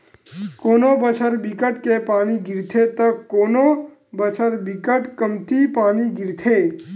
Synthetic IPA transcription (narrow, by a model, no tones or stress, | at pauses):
koːnobət͡ʃʰəɾbɪkəʈkepaːniɡɪɾt̪ʰet̪əkːoːno | bət͡ʃʰəɾbɪkəʈkəmt̪ipaːniɡɪɾt̪ʰeː